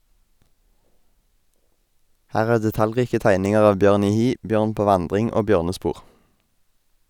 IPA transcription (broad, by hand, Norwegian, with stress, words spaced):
ˈhæːʁ ˈæːʁ dɛˈtɑlˌʁiːkə ˈtæɪnɪŋəʁ ˈɑːʋ ˈbjøːʁn ˈiː ˈhiː ˈbjøːʁn ˈpoː ˈʋɑndʁɪŋ ˈoː ˈbjøːʁnəˌspuːʁ